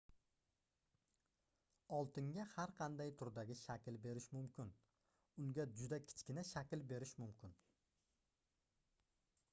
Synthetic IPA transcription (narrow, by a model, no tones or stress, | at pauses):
ɒlˠt̪ɪŋɡʲahaɾqʰɑnd̪ajt̪ʰʊɾd̪aɡʲɪʃakʲlbe̞ɾɪʃmʊmkʲʰɪn | ʊŋɡʲad͡ʒʊd̪akʲʰɪ̥t͡ʃkʲɪnaʃakʲlbe̞ɾɪʃmʊmkʲɪn